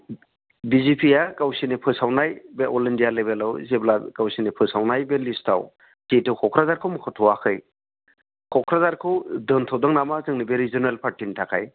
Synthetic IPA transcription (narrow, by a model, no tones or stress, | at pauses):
bizipʰijakawsinepʰɯsawnajbeɔlendijalebelɯwzeblakawsinepʰɯsawnajbelistʰa̰w | ketʰɯwkʰɔkʰɾazaɾkʰɯwmɯkʰɔtʰɔwakʰɯj | kʰɔkʰɾazaɾkʰɯwdɯntʰɔwdɔŋnamazɯŋnibeɾizɔnalpʰaɾtintʰakʰa̰j